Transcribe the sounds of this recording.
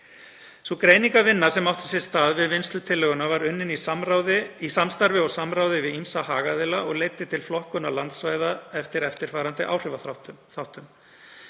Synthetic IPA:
svɔkɾeːjniŋkavɪnːḁsɛmawht̪ɪ̥sjɛst̪aːðvɪðvɪnst̪lʏt̪ʰɪlːœɣʏnavaɾʏnːɪnisamɾaːwðɪisamst̪aɾvɪɔɣsamɾaːwðɪvɪðimsahaːɣaðɪlaʔɔɣleːjt̪ːɪt̪ʰɪlflɔhkʏnalant̪svaːjðaɛft̪ɪɾɛft̪ɪɾ̥faːɾant̪ɪʔa̰ːwr̥ɪvaθθawht̪ʏm

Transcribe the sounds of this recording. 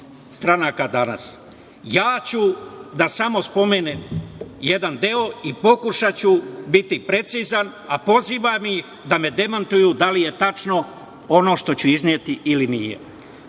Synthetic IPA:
st̪ɾanaːkad̪ana̰s | jaːt͡ɕud̪asamo̞spo̞me̞ːneːmje̞d̪and̪eo̞ipo̞kuʃat͡ɕubit̪ipɾe̞t̪siːzan | apo̞ziːʋamix | d̪ame̞d̪e̞mant̪ujud̪alije̞t̪at͡ʃno̞ | o̞no̞ːʃt̪o̞t͡ɕuiznijet̪iʔilinijḛ

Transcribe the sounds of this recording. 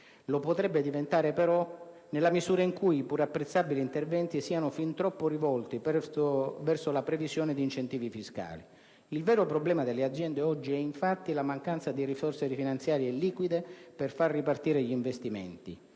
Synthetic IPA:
lopot̪ɾɛbːed̪ivent̪aːɾepeɾɔ | nelːamizuːɾaiŋkujipuɾapːɾet̪sːabiliːnt̪ervɛnt̪isiːanʊfint̪ɾɔpːorivɔlt̪ipɛvɛrsolapɾevizjɔːned̪iːnt͡ʃent̪iːvifiska̰ːli | ilvɛːɾopɾoblɛːmad̪elːead̪zjɛnd̪eɔd͡ʒːiɛiɱfat̪ːilamaŋkant̪sad̪iɾisɔrseɾifinant̪sjaːɾjeɛlːiːkwid̪eperfarːipart̪iːɾeʎiɱvest̪imeɛ̰nt̪ḭ

